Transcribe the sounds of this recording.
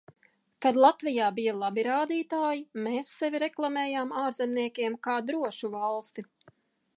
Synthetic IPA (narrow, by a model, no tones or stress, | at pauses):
kad̪lˠat̪vijaːbijalˠabiɾaːd̪iːt̪aːjimeːsːɛvʲiɾɛklˠamɛːjaːmaːɾzɛmniɛkʲeɛmkaːd̪ɾuɔʃuvalˠst̪i